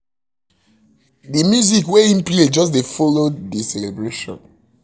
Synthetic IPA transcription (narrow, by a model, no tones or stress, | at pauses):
dimjuzikweĩnpled͡ʒɔs̬defɔlodisɛlebɹeʃɔ̰̃n